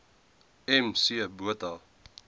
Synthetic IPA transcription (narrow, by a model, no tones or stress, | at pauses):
ɛmsiəbuətɐlˠ